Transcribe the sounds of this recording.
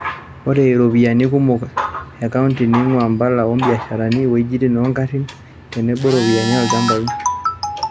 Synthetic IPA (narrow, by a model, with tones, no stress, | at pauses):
ɔ˦ɾɛ˨i˨ɾɔ˨βi˨a˨ni˦ku˦mɔ˨ka˨a˨ka˦u˦nti˨ni˦ŋwa˨mba˦la˨wɔ˦m˦bi˨a˨ʃa˨ɾa˨ni˦wɔ˨i˦d͡ʒi˦ti˦n˨ɔ˦ŋka˦ti˦n | kɛ˨nɛ˦ɓɔ˦ɾɔ˨βi˨a˨ɲa˦ɔ˨d͡ʒa˦mba˨i˦